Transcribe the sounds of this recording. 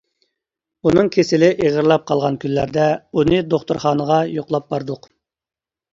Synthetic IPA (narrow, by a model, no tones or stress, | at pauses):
unɨŋkʲʰesɪlɪʔeʁəɾlˠɑp̚qʰɑlˠʁɑnkʲʰylːæɾd̪ɛunɨd̪oχt̪uɾχɑːnəʁɑjoqlˠɑp̚bɑɾd̪ʊq